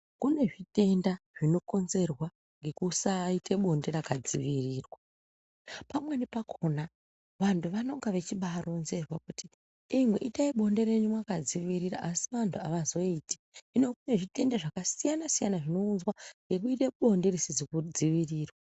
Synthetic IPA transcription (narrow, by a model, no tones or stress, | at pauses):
kune̞ʐite̞ndaʐ̥ino̞ko̞nze̞rwa | ŋɡe̞kusaitʰe̞ɓo̞nde̞rakad͡ziʋiriːrwa | pamwenipakʰona | ʋantʰuʋano̞ŋɡaʋe̞t͡ʃiɓaːro̞nze̞rwakuti | imwe̞̰ʔitaiɓo̞nde̞ɾe̞ɲumwakad͡ziʋiɾiraʔːsi̥ʋantʰuaʋazo̞iti̥ | inokune̞ʐite̞ndaʐakasijanasijanaʐino̞unzwaŋɡe̞k̬uite̞ɓo̞nde̞risid͡zikud͡ziʋiriːrwa